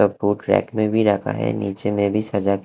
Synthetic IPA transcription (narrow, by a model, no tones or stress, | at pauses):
ɔfuːʈɾɛ̰ːkmẽbʱiɾakʰa̰ɦɛ̰ːniːt͡ʃemẽbʱisɐɾd͡ʒak